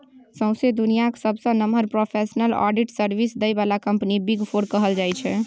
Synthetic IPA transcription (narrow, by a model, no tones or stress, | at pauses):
sə̃w̃sed̪unijaksəbsə̃nəməɾpɾopʰesnəlɔ̰ɖiʈsəɾbisd̪əjbalakəmpnibiɡpʰoɾkəɦəld͡ʒajt͡ʃʰɛ